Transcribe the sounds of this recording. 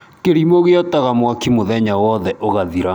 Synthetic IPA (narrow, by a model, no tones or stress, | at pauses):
keɾimoɣeɔtaɣamwakimoðɛɲawɔðɛʔoɣaðiɾa